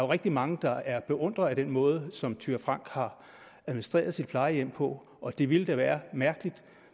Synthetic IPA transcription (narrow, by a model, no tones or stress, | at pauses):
o̝ʁeɡ̥̚d̥imɑ̈ŋəd̥ɑ̈æɐb̥e̝ʔɔ̽n̰d̥ʁɐæd̥enmɔ̽ːð̞ˠəsɒ̽mt͡sʰyːɐfʁɑ̈ŋ̰ɡ̥hɑ̈ | æðˠmnisd̥ʁḛːɐð̞ˠsid̥̚pʰl̥ɑ̈ɪəjem̰pʰɒ̽ | ʔɒ̽d̥e̝ʋiləd̥æʋæːɐmæɐɡ̥əlid̥